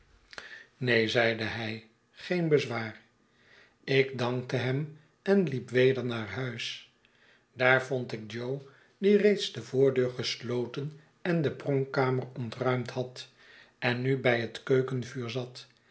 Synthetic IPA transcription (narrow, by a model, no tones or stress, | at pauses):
nejzɛjdəɦɛj | χejnbəzʋaːr | ɪɡdɑŋktəɦɛm | ɛnlipʋejdəɹnaːɹɦœɥs | d̥aːɹvɔntɪk̚d͡ʒow | direjtsdəvʊːɹdøːɹχəslowtən | ɛndəprɔŋkaːmərɔntrœɥmtɦɑt | ɛnːybɛjɦətkøɥkənvyːɹzɑt